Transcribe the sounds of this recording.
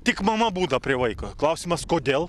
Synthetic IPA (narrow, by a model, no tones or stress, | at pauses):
t̪ʲɪkmɐmɐbuːd̪ɐpʲɾʲɪʋɐɪkoːklˠɐʊsʲɪmɐskoːd̪ʲeːlˠ